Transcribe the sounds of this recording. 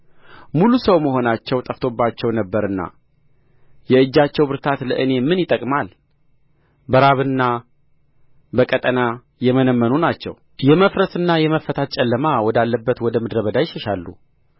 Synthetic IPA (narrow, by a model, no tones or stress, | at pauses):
mulusəwməɦo̞nat͡ʃːɛwt̪ʼəft̪ʰo̞bːat͡ʃːɛwnəbːəɾɨnːa̰ | jɛɨd͡ʒːat͡ʃːɛwbɨɾt̪ʰat̪lə̰ʔɨne̞mɨnjɪt̪ʼəkʼmal | bəɾaβɨnːa | bəkʼət̪ʼəna | jɛmənəmːənunat͡ʃːɛ̰w | jɛməfɾəsɨnːajɛməfːət̪ʰat̪̚t͡ʃʼɛlːəmawɔd̪alːəbːət̪wɔd̪əmɨd̪ɾəβəd̪ajɪʃəʃalːṵ